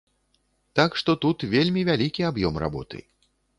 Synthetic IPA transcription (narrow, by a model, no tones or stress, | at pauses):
t̪akʂt̪ɔt̪ut̪vʲelʲmʲivʲalʲikʲiabjɔmra̰bɔ̰t̪ɨ̰